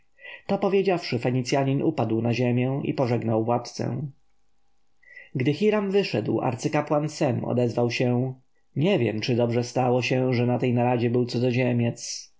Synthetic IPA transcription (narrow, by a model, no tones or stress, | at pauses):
t̪ɔpɔvʲjed͡ʑafʂɘfɛɲit̪sʲjaɲinupad̪wnaʑemʲjɛ̃ḭpɔʐɛɡnawvwat̪t̪sɛ̰̃ | ɡd̪ɘxiɾamvɘʂɛd̪wa̰ɾt̪sɘkapwansɛmɔ̰d̪ɛzvawɕɛ | ɲɛvʲjɛ̰mt͡ʂɘd̪ɔbʐɛst̪awɔɕɛʐɛnat̪ɛjnaɾad͡ʑɛbɘwt̪sɔd̪ɔʑemʲjɛt̪s